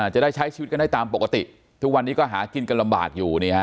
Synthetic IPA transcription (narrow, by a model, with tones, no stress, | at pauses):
a˧˩t͡ɕa˨˩daː˥˩jt͡ɕʰa˦˥jt͡ɕʰi˧˦t̪̚ka˧daː˥˩jt̪aː˧mp̬o˨˩ka˧t̪ḭ˨˩ʔ | t̪ʰu˦˥k̚wa˧nːiː˦˥kɔː˥˩ɦaː˩˦ki˧nka˧nla˧mba̰ː˨˩k̚juː˨˩niː˥˧˩ka˦˥